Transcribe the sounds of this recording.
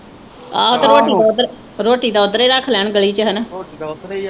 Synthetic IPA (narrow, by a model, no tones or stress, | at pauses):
a̰ːot̪ːɾoːʈiːd̪ad̪ɾ | ɾoːʈiːd̪aːʊd̪ɾeːɾəkʰlɛːɳɡəliːt͡ʃəɦən